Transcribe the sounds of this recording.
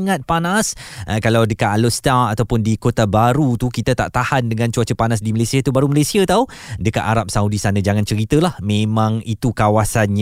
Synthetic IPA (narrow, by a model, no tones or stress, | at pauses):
ŋat̪̚panasəkalawdəkaʔ̪alust̪aat̪awpʊndikot̪abaɾut̪ukit̪at̪a̰ʔt̪ahandəŋãnt͡ʃuat͡ʃəpanasdiməlesiat̪ubaɾuməlesiat̪au | dəkaʔ̪aɾap̚saudisanə̃d͡ʒaŋãnt͡ʃəɾit̪əlahmẽmãŋit̪ukawasanɲ